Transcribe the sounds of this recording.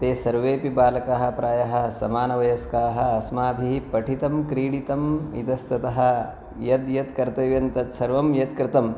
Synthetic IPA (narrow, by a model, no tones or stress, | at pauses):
t̪eːsɐɾʋeːpibaːlɐkɐɦɐ̆pɾaːjɐɦɐ̆sɐmaːnɐʋɐjɐskaːɦɐ̆ɐsmaːbʱiɦipɐʈʰit̪ɐmkɾiːɽit̪ɐmḭt̪ɐst̪ɐt̪ɐɦɐ̆ | jɐd̪jɐt̪kɐɾt̪ɐʋjɐnt̪ɐt̪sɐɾʋɐmjɐt̪kɾɪt̪ɐm